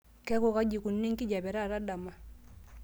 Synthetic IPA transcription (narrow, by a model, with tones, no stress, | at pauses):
kɛ˦ko˦˨ka˦ɟi˨ku˨nːi˦ŋki˦ɟa˨bɛ˨ɾa˦˨ɾa˦da˨ma˨